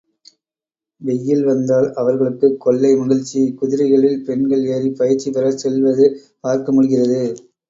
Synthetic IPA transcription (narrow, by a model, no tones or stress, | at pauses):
ʋɛjːɪlʋɐnd̪aːlɐʋɐɾɣɐɭɯkːɯkːɔɭːɐɪmɐɣɐɻt͡ʃːikʊðɪɾɐɪɣɐɭɪlpɛɳɡɐɭeːɾipɐjɪɾt͡ʃːipɛɾɐsɛlʋɐðɯ | paːɾkɐmʊɽɯɣɪrɐðɯ